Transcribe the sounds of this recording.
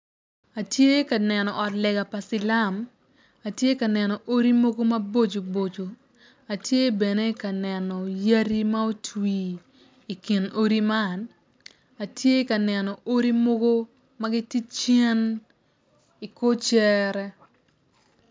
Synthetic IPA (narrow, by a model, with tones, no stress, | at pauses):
a˨tje˦ka˨nɛ˨nɔ˨ʔɔ˨tlɛ˨ɡa˨pa˨sɪ˨la˦m | a˨tje˦ka˨nɛ˨nɔ˨ʔo˦ɾi˦mo˦ɡo˦mɐ˦bo˦d͡ʒo˨bo˨d͡ʒo˨ | a˨tje˦bɛ˨ne˦ka˨nɛ˨nɔ˨ja˦ɾi˦ma˦o˦twiː˨ | kɪ˨no˦ɾi˦ma˦˨n | a˨tje˦ka˨nɛ˨nɔ˨ʔo˦ɾi˦mo˦ɡo˦ | ma˦ɡi˦ti˦t͡ʃe˦n | i˨ko˦t͡ʃɛ˦ɾɛ˦